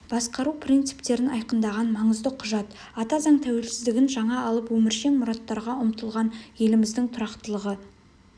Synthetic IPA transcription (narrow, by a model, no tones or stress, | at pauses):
b̥ɑsqɑɾupʰrint̪sɨ̥pt̪e̞ɾɪnɑjqənd̪ɑʁɑnmɑɴəzd̪əqʰʊʒɑt̪ | ɑt̪ɑzɑɴt̪ʰæwe̞lsɪzd̪ɪɡʲɪnʒɑɴɑːlˠəpwɵmɪɾʃe̞ŋmʊɾɑt̪ːɑɾʁɑʊmt̪əlˠʁɑnje̞lɪmɪzd̪ɪŋt̪ʰʊɾɑqt̪əlˠəʁə